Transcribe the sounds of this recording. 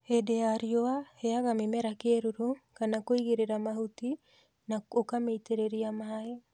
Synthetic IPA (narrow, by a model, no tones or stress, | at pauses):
hedeaɾioaheaɣamemeɾakeɾuɾukanakoiɣiɾeɾamahuti | naokameiteɾeɾiamaae